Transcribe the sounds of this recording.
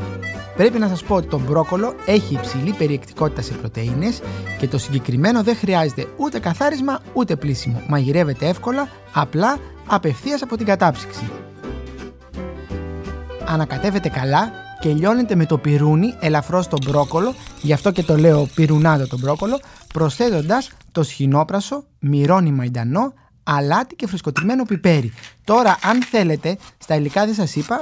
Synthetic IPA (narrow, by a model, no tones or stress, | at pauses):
pɾe̞pinɐsɐspo̞ot̪i̥t̪o̞mbɾo̞ko̞lo̞e̞çiːpsilipe̞ɾie̞kt̪i̥ko̞t̪i̥t̪ɐse̞pɾo̞t̪e̞ine̞sce̞t̪o̞siɲɟe̞kɾime̞no̞ðe̞xɾiɐze̞t̪e̞ut̪e̞kɐθɐɾizmɐut̪e̞plisimo̞̰mɐʝiɾe̞ve̞t̪e̞e̞fko̞lɐː | plɐː | pe̞fθiɐsɐpo̞t̪iŋɡɐt̪ɐpsi̥ksi | ɐnɐkɐt̪e̞ve̞t̪e̞kɐlɐ | ce̞ʎo̞ne̞t̪e̞me̞t̪o̞piɾunie̞lɐfɾo̞st̪o̞bɾo̞ko̞lo̞ʝɐft̪o̞ce̞t̪o̞le̞o̞piɾunɐt̪ot̪o̞bɾo̞ko̞lo̞pɾo̞sθe̞t̪o̞nd̪ɐst̪o̞sçino̞pɾɐso̞ | miɾo̞nimɐid̪ɐno̞ | ɐlɐt̪i̥ce̞fɾisko̞t̪ɾime̞no̞pipe̞ɾit̪o̞ɾɐʔɐnθe̞le̞t̪e̞st̪ɐilikɐðe̞sɐsipɐ